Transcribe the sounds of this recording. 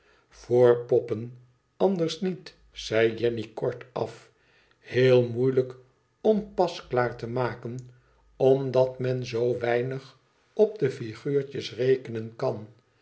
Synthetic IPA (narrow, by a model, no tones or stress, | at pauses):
fʊːɹpɔpən | ɑnd̪əɹsnit | sɛjjɛnikɔɹtɑ̰f | hɪːlˠmujlək | ɔmpɑsklaːɹtəmaːkən | ɔmdɑtmɛnzowʋɛjnəχ | ɔp̚dəfiχyːɹt͡ʃəsrejkənənkɑn